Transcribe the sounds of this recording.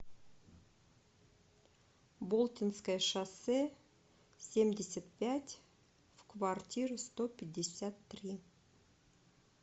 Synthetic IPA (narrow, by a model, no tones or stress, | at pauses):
bolˠt̪ʲɪnskəjʂɑsɛ | sʲemdʲɪsʲət̪̚pʲætʲ | v̥kvartʲiɾust̪opʲɪdʲːɪsʲæt̪ːrʲi